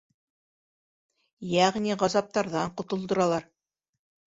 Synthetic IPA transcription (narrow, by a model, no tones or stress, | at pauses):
jæʁniʁɑzɑp̚t̪ɑɾðɑɴqŏt̪ŏlˠd̪ŏɾɑlˠɑɾ